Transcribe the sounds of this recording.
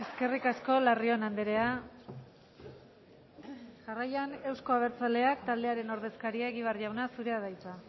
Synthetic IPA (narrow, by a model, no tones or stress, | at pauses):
e̞ske̞rikasko̞lario̞nand̪eɾe̞a | ʝarajane̞wsko̞aβ̞e̞ɾt͡sale̞akt̪ald̪e̞aɾe̞no̞ɾð̞e̞skaɾiaeɣiβ̞arʝawnasuɾe̞að̞ajt͡sa